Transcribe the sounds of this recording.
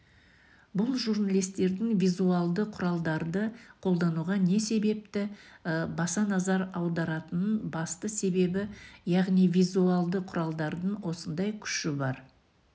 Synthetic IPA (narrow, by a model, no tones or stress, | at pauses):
bʊlˠʒurnalʲijst̪e̞ɾd̪ɪŋvijzuɑlˠd̪əqʰʊɾɑlˠd̪ɑɾd̪əqʰo̞lˠd̪ɑnuʁɑne̞se̞be̞p̚t̪ɪbɑsɑnɑzɑɾɑwd̪ɑɾɑt̪ənənbɑst̪əse̞be̞bɪjɑʁnijvijzuɑlˠd̪əqʰʊɾɑlˠd̪ɑɾd̪əɴwo̞sənd̪ɑjkʲʰʏ̥ʃɪbɑɾ